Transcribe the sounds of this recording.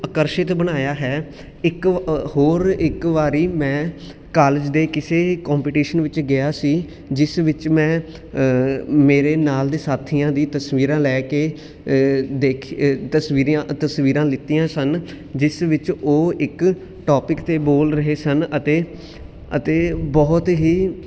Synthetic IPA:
əkəɾʃɪt̪bənaːjaːɦɛː | ɪkhoːɾɪkʋaːɾiːmɛ̃ː | kaːləd͡ʒd̪eːkɪseːkɔːmpiːʈiːʃənʋɪt͡ʃɡɪaːsiː | d͡ʒɪsʋɪt͡ʃmɛ̃ː | meːɾeːnaːld̪eːsaːt̪ʰiːjãːd̪iːt̪əsʋiːɾãːlɛːkeː | d̪eːkʰt̪əsʋiːɾãt̪əsʋiːɾãːlɪt̪ːiːãːsən | d͡ʒɪsʋɪt͡ʃoːɪk | ʈɔːpɪkt̪eːboːlɾəɦeːsənət̪eː | ə̰t̪eːbɔːt̪ɦiː

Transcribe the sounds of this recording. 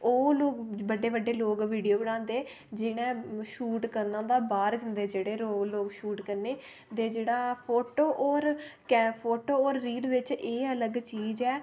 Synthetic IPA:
oːloːkbəɖeːʋəɖeːloːkʋiːɖijoːbəɽ̃ãːnd̪eː | d͡ʒɪnẽːʃuːʈkəɾnãːd̪aːbaːɾd͡ʒənd̪eːd͡ʒeːɽeːɾoːkloːkʃuːʈkəɾneː | t̪eːd͡ʒeːɽaːpʰoːʈoːʔɔːɾkɛpʰoːʈoːɔːɾːiːlʋɪt͡ʃeːələɡt͡ʃiːd͡ʒɛː

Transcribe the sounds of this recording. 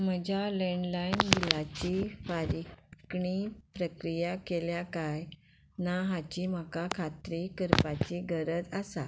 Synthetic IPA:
m̤əd͡ʑalẽɳlajnɡilat͡ɕifaɾikɳipɾəkɾijakeljakaj | naɦat͡ɕim̤akakʰat̪ɾikəɾpat͡ɕiɡəɾəd͡zasa

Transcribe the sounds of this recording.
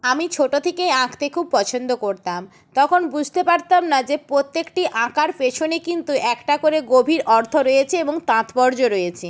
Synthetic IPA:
amit͡ɕʰoʈot̪ʰekejãkt̪ekʰub̚pɔt͡ɕʰond̪okoɾt̪am | t̪ɔkʰonbud͡ʑʱt̪epaɾt̪amnad͡ʑepɾot̪ːekʈiʔãkaɾpeʃʰonekint̪uʔɛkʈakoɾeɡobʱiɾʔɔɾt̪ʰoɾojet͡ɕʰeeboŋt̪ãt̪pɔɾd͡ʑoɾojet͡ɕʰi

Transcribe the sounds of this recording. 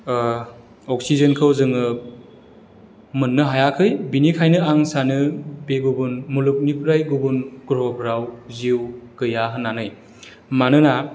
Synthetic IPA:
ɔk̚sizenkʰɯwzɯŋɯ | mɯnːɯɦajakʰɯjbinikʰajnɯaŋsanɯbeɡubunmuluk̚nipʰɾajɡubunɡuɾɔbʰɾawziwɡ̥ɯjaɦɯnːanɯj | manɯna

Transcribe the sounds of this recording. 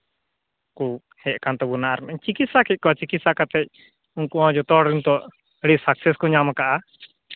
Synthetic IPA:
ku | hɛʔkant̪ɔbunaʔaɾmɛɲt͡ʃikit̪sakɛc̚kɔat͡ʃikit̪sakat̪ɛc̚ˀ | uŋkuʔɔ̃d͡ʒɔt̪ɔɽɾint̪ɔʔ | əɽisaksɛskɔɲamakaʔa

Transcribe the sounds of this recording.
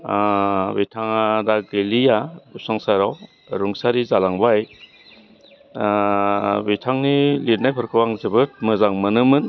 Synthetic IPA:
bitʰaŋadaɡelijabusaŋsaɾaw | ɾuŋsaɾizalaŋbaj | bitʰaŋniliɾnajpʰɯɾkʰɯwaŋzɯbɯt̚mɯzaŋmɯnɯmɯn

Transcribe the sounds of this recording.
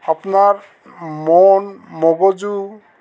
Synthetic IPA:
apnaɹ | mɔnmɔbɔd͡ʒu

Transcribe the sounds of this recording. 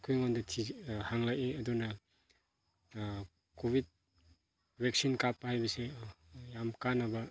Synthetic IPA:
kʰujŋondɐtʰihaŋlajeɐdunɐ | kobit̚ | bek̚sinkapːahajbɐse | jamkanːɐbɐ

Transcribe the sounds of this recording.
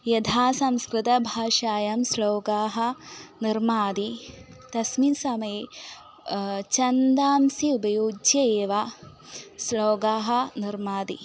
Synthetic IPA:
jɐd̪ʰaːsɐmskɾɨt̪ɐbʱaːʃaːjɐmsloːɡaːɦɐ̆niɾmaːd̪i | t̪ɐsminsɐmɐje | t͡ʃɐnd̪aːmsiubɐjoːd͡ʒjɐeːʋa | sloːɡaːɦɐ̆niɾmaːd̪ḭ

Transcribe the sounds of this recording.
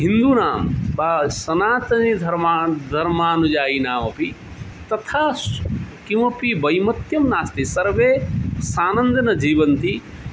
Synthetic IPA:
ɦind̪unaːmbasɐnaːt̪ɐnid̪ʱɐɾmad̪ʱɐɾmaːnud͡ʒaːinaːmɐpi | t̪ɐt̪ʰaː | kĩwɐpibɐjmɐt̪jɐmnaːst̪isɐɾʋesaːnɐnd̪ɐnɐd͡ʒiːbɐnt̪i

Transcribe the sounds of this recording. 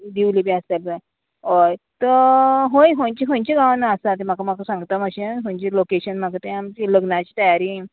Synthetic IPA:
d̪iwlibiəst̪elpã | ojt̪əɦojɦõjt͡ɕikõnt͡ɕeɡãʋnaəsat̪em̤akam̤akasãŋɡt̪əməɕẽɦõɲt͡ɕelokeɕənm̤akat̪ẽamt͡ɕiləɡnat͡ɕiːt̪əjaɾiː

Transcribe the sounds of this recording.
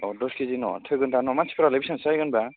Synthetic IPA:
ɔdɔskʰizinɔ̰tʰɯjɡɯntanɔmasi̥pʰɾalɯbisansajɡɯnba

